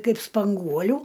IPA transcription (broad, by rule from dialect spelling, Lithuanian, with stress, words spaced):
ˈkɐɪp spɐŋˈɡuɔlʲʊ